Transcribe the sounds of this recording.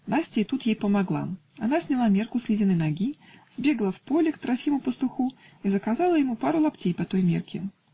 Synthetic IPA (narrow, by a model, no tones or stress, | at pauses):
nasʲtʲɪit̪ut̪jejpəmaɡlˠa̰ɐnasʲnʲɪlˠamʲe̞rkʊsʲlʲɪzʲɪnɨnɐɡʲiz̥ʲbʲe̞ɡəlˠəfpolʲɪkt̪ɾɐfʲimʊpəst̪ʊxuizəkazalˠəjɪmupaɾʊlˠɐptʲejpɐt̪ojmʲerkʲɪ̰